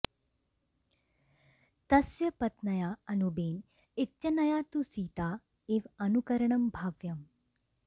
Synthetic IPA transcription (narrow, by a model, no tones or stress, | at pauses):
t̪ɐsjɐpɐt̪nɐjaːɐnubeːn | ɪtːʃɐnɐjaːt̪usiːt̪aː | eːʋɐnukɐɾɐɳɐmbʱaːʋjɐm